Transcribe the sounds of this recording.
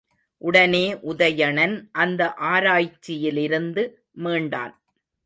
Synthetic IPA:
ʔʊɽɐneːʔʊðɐjɐɳɐnʔɐnd̪ɐʔaːɾaːjt͡ʃːɪjɪlɪɾɯnd̪ɯ | meːɳɖa̰ːn

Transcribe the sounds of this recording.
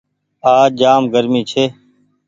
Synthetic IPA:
aːd͡ʒaːmɡəɾmiːt͡ʃʰeː

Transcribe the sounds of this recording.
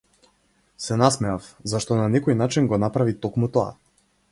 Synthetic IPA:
sɛnasmɛafzaʃt̪ɔnanɛkɔjnat͡ʃinɡɔnapɾavit̪ɔkmut̪ɔa̰

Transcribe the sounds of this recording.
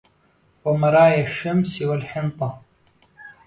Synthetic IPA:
wamɑɾˤɑːjaʃːamswalħɪnt̪ˤɑ

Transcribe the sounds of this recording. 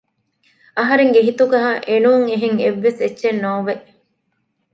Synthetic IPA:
ɐɦɐɾeŋɡeɦit̪ukɐɦaːʔenuːŋeɦeŋeʋːesetːʃenːoːʋeʔ

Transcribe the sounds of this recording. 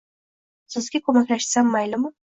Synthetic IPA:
sɪzɡʲɪkʰɵmakʲlaʃsamːajlɪmʊ

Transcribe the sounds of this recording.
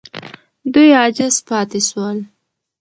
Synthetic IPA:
d̪ujɑd͡ʒɪzpɑt̪eswəl

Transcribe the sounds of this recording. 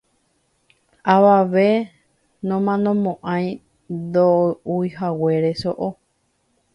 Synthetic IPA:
aʋaʋe̞ | nõmãnõmõʔãj̃ | nd̪ouiɦawe̞ɾe̞soʔo

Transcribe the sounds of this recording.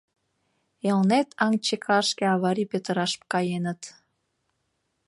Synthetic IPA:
elnet̪ʰɑŋt͡ɕekʰɑʃkʲeɑβɑɾʲipet̪əɾɑʃp̚kɑjenə̆t̪

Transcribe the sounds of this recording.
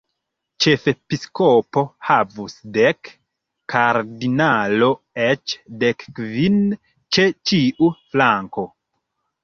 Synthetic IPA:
t͡ʃe̞fepiskopo̞havusdekː | aɾdinalo̞ | et͡ʃdekːvin | t͡ʃe̞t͡ʃiʔuflaŋko̞

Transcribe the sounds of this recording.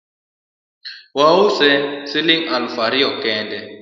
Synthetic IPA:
wausɛsiliŋalufaɾiɔkɛːndɛ

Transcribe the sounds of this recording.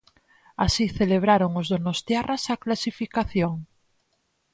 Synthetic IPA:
asiθeleβ̞ɾaɾoŋozðonost̪jarasaklasifikaθjoŋ

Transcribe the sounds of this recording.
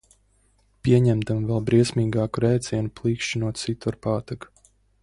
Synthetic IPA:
pʲiɛɲɛmd̪amvɛlˠbɾiɛsʲmiːɡaːkuɾɛjt̪sʲiɛnuplˠiːkʃinuɔt̪sit̪uaɾpaːt̪ak

